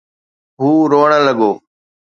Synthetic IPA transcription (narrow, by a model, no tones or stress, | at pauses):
ɦuːɾoːɳələɠoː